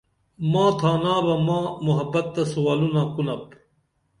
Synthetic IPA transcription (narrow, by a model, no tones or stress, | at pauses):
mãːt̪ʰaːnaːbɐmãːmuɦɐbɐt̪̚ːɐsuwaːlunãːkunɐp